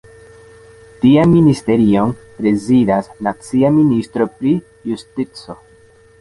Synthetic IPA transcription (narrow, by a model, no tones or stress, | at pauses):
tianministe̞ɾio̞npɾe̞zidasnat͡siaministɾo̞pɾi | justit͡so̞